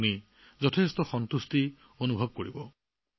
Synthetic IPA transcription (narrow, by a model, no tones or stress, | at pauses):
ni | zɔtʰestɔxɔntusti | onubʱɔb̚koɹibɔ